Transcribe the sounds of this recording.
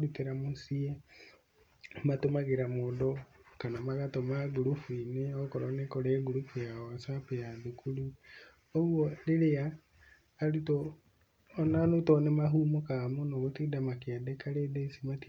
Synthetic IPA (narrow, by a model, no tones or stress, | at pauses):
ɾukeɾamosie | matomaɣeɾamodɔkanamaɣatomaɡuɾufuineɔkɔɾanekɔɾeːɡuɾufujaɔasapejaðukulu | oɣwoleɾeaː | ɾutoː | nanotɔnemaɦumokamonoɣotiːdamakeadekaɾedesimat